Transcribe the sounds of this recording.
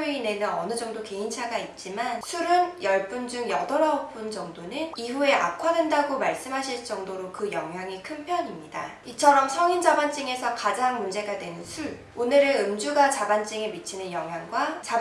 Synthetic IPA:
ɥiine̞nɯnʌnɯd͡ʑʌŋdoke̞int͡ɕʰaɡait̚t͡ɕ͈imansʰuɾɯnjʌɭp͈und͡ʑuŋjʌdʌɾaʌp͈ɯnd͡ʑʌŋdonɯniɸue̞ʔa̰kʰwadwendaɡomaɭs͈ɯmɦaɕʰiɭt͡ɕ͈ʌŋdoɾokɯjʌŋɦjaŋikʰɯnpʰjʌɲimɲida̰ | it͡ɕʰʌɾʌmsʰʌŋind͡ʑabant͡ɕ͈iŋe̞sʰʌkad͡ʑaŋmund͡ʑe̞ɡadwe̞nɯnsʰuɭ | onɯɾeɯmd͡ʑuɡat͡ɕabant͡ɕ͈iŋemit͡ɕʰinɯnjʌŋɦjaŋɡwat͡ɕa

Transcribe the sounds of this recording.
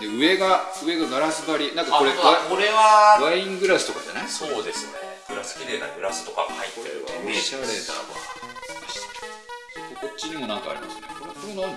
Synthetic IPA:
d̪e̞ɯ̟e̞ɡa | ɯ̟e̞ɡaɡaɾasɨbaɾʲinãŋkako̞ɾe̞akoɾeβaβaĩŋɡɯ̟ɾasɨ̥t̪o̞kad͡ʑa̰naiso̞ːd̪e̞sɨneɡ̥ɯ̟ɾasɨ̥kʲiɾe̞ːna̰ɡɯ̟ɾasɨ̥t̪o̞kaɡahait̪ːeɾeβa̰oɕaɾe̞d̪a̰βa̰aɕi̥t̪k | sokoko̞t͡ɕːiɲ̟imo̞nãŋkaa̰ɾʲimasɨnekoɾekoɾono

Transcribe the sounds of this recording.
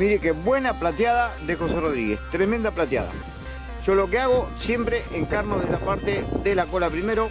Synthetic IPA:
miɾekeβwe̞naplat̪jaðaðe̞xo̞se̞ro̞ðɾiɣe̞̰st̪ɾemẽnd̪aplat̪ja̰ða̰ | ʒ̥o̞lo̞keaɣo̞sjempɾe̞ʔeŋkaɾnoðelapaɾt̪e̞ðelako̞lapɾime̞ɾo

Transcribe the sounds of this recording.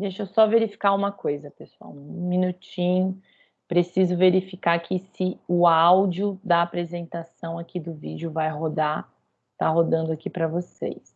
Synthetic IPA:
d̪eʃosɔveɾifi̥kaũmɐkojzɐpesʊa̰w̃ũminut͡ʃĩɲʊ | pɾesizʊveɾifikakʰɪsɪʊawd͡ʒiʊd̪ɐːpɾezẽnt̪asɐ̃w̃akid̪ʊvid͡ʒʊvajɦod̪a | t̪aɦod̪ɐ̃nd̪ʊakipɾɐvosḛjs

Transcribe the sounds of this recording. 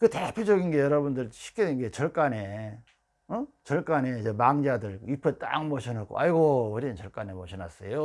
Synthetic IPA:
kɯtepʰjod͡ʑʌɡinɡe̞jʌɾʌbundɯɭɕʰi̥k͈eiŋɡe̞t͡ɕʌɭk͈ane | ʌt͡ɕʌɭk͈anet͡ɕʌmaŋd͡ʑadɯɭɥipʰet͈a̰ŋmʌɕʰinak͈o̰aiɡoɯɾint͡ɕʌɭk͈anemʌɕʰinas͈ejo

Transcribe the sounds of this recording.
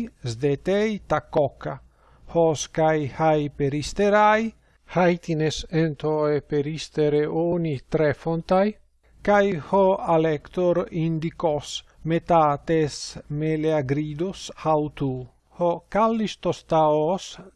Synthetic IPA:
zd̪et̪ejt̪akɔka | hɔskajhajpeɾist̪eɾaj | hajt̪inesent̪oepeɾist̪eɾeʔonit̪ɾɛfont̪aj | kajhoalɛkt̪oɾind̪ikos | met̪at̪esmeleaɡɾid̪oshawt̪u | hɔkalːist̪ost̪aos

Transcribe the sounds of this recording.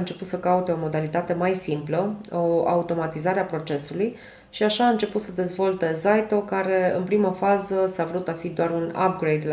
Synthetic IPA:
ɨnt͡ʃe̞put̪səkaut̪e̞o̞mo̞d̪alit̪at̪e̞majsimpləoa̰ut̪o̞mat̪izaɾeapɾo̞t͡ʃe̞suluj | ʃiaʃaːɨnt͡ʃe̞put̪səd̪e̞zvo̞lt̪e̞zajt̪o̞kaɾe̞ɨ̰npɾiməfazəsavɾut̪afid̪oaɾuna̰p̚ɡɾejd̪l

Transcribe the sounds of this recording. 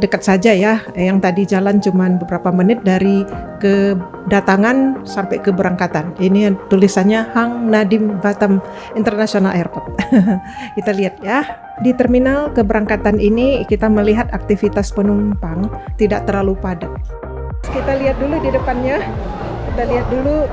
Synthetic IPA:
dəkat̪̚sad͡ʒajajaŋt̪adid͡ʒalant͡ʃumanbəbəɾapamənɪt̪̚daɾikə | dat̪aŋansampajkəbəɾaŋkat̪aninit̪ulisanɲahaŋnadɪmbat̪am | int̪ərnasionalʔaɛrpɔt̪̚ | kit̪aliɦat̪̚jah | dit̪ərminalkəbəɾaŋkat̪aninikit̪aməliɦat̪ak̚t̪ifit̪aspənumpaŋt̪idaʔ̚t̪ərlalupada | kit̪aliɦat̪̚duludidəpanɲa | kit̪aliɦat̪̚dulu

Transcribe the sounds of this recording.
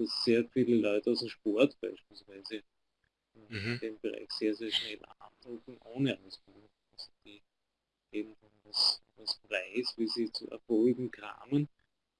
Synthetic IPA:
d̥asseːɐfiːləlɔʏtəɑʊsemʃpɔɐtb̥æ̰ɪʃpiːlsv̥æɪzə | d̥eːmb̥əʁa̰ɪçseːɐzeːɐʃnɛlʔa̰ndʁʊkŋ̩ʔoːnəʔaʊsb̥ɪlɪn | sn̩d̥iː | eːbm̩d̥andasdaspʁ̥aɪsviːziːt͡sṵɛ̰ɐfoːɪɡŋ̩kʁa̰ːmən

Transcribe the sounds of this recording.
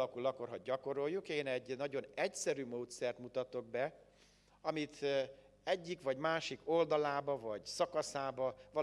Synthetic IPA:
ɒkulɒkːorɦoɟ̚ɟɒko̞ɾo̞jːukeːnɛɟnɒɟo̞nɛcsɛɾyːmoːt̪sɛrt̪mut̪ɒt̪o̞ɡ̚bɛ | ɒmit̪ | ɛɟːikʋɒɟmaːʃiko̞ld̪ɒlaːbɒvɒɟsɒkɒsaːbɒvɒ

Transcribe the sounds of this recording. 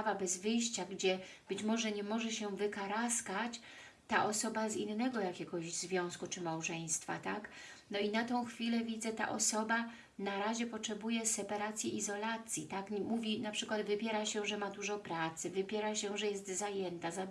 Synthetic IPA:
vabɛzvɘjɕt͡ɕaɡd͡ʑɛb̥ɘt͡ɕmɔʐɛɲɛmɔʐɛɕɛvɘkaɾaskat͡ɕ | t̪aʔɔsɔbazinːɛɡɔjakʲɛɡɔʑzvʲjɔ̃w̃skut͡ʂɘmawʐɛj̃st̪fa̰t̪ak | nɔinat̪ɔ̃w̃xfʲilɛvʲid̪zɛt̪a̰ʔɔsɔba | naɾaʑɛpɔtʂɛbujɛsɛpaɾat̪sʲjiizɔlat̪sʲjit̪akmuvʲinapʂɘkwad̪vɘpʲjɛɾaɕɛʐɛmad̪uʐɔpɾat̪sɘvɘpʲjɛɾaɕɛʐɛjɛst̪zajɛnt̪aza

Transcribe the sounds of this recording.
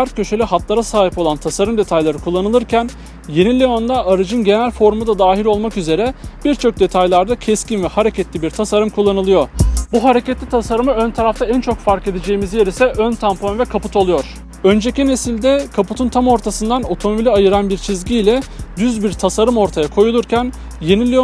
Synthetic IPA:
aɾt̪̚cʰø̞ʃe̞lʲiɦat̪lˠaɾasaːɦipo̞lˠant̪ʰasaɾɯmd̪e̞t̪ʰajlˠaɾɯkʰulˠːanɯlˠɯɾcʰæn | je̞nilʲeo̞nd̪aʔːɾɯd͡ʒɯnɟe̞nælʲfo̞ɾmud̪ad̪aːɦilʲo̞lˠmakyze̞ɾɛb̥iɾt͡ʃʰo̞k̚d̪e̞t̪ʰajlˠaɾd̪acʰɛscinvɛhaɾe̞cʰɛt̪lʲibiɾt̪ʰasaɾɯmkʰulˠːanɯlˠɯjo̞buɦaɾe̞cet̪lʲit̪ʰasaɾɯmɯønt̪ʰaɾaft̪ʰaænt͡ʃʰo̞kfaɾke̞d̪ed͡ʒe̞jimizjeɾisɛʔønt̪ʰamponvɛkʰaput̪ʰo̞lˠujo̞ɾ̥ | ø̞nd͡ʒecine̞silʲd̪ɛkʰaput̪ʰunt̪ʰamo̞ɾt̪ʰasɯnd̪ano̞t̪ʰo̞mobilʲiajɯɾanbiɾt͡ʃʰizɟiːlʲɛd̪yzbiɾt̪ʰasaɾɯmo̞ɾt̪ʰajakʰo̞julˠuɾcʰæn | je̞nilʲeo

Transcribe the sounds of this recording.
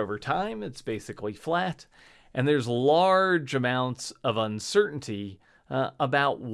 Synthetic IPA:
oʊvə˞tʰãɪ̃mɨtsb̥eɪsɨkliflæɾ | ʔɨ̃nðə˞zlɑɹd͡ʒɨmãʊ̃ntsʌvə̃nsɜ˞ʔn̩tʰi | əbaʊʔw

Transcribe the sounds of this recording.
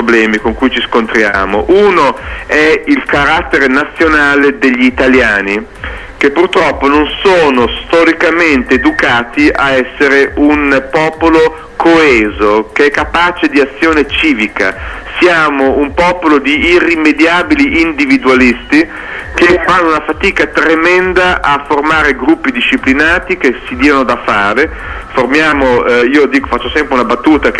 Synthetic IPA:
poblɛːmikoŋkujt͡ʃiskont̪ɾja̰ːmo̰ʔuːnoɛilkaɾat̪ːeɾenat̪sːjonaːled̪eʎːiːt̪aljaːni | kepːurt̪ɾɔpːononsoːnost̪ɔɾikament̪eːd̪ukaːt̪iʔaɛsːeɾeʔunpɔːpolo | kʰoɛːzokeɛkːapaːt͡ʃed̪iat̪sːjoːnet͡ʃiːvika̰sjaːmoumpɔːpolod̪iːrːimːed̪jaːbiliʔːnd̪ivid̪ualist̪i | k̟efanːounafat̪iːkat̪ɾemɛnd̪aʔafːormaːɾeɡɾupːid̪iʃːiplinaːt̪ik̟esid̪iːanod̪afaːɾe | formjaːmoiːod̪iːkofat͡ʃːosɛmpɾeunabat̪ːuːt̪ak

